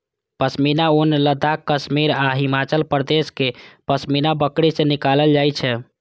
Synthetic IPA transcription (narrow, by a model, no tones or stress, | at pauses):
pəsminaonləd̪ʱakːəsmiɾaɦimat͡ʃəlpɾd̪eskepəsminabəkɽisenikaləld͡ʒajt͡ʃʰɛ